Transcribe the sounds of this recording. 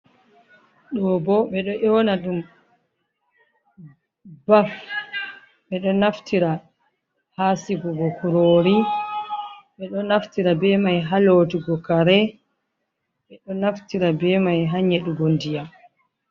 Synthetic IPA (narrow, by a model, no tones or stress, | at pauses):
ɗɔbɔɓɛɗɔʔɛwnaɗum | baf | ɓɛɗɔnaftʰiɾa | haːsiɡɔɡɔkuɾoːɾi | ɓɛɗɔnaftiɾabɛmajɦaloːtiɡɔkaɾɛ | ɓɛɗɔnaftiɾabɛmajɦaɲɛɗuɡondija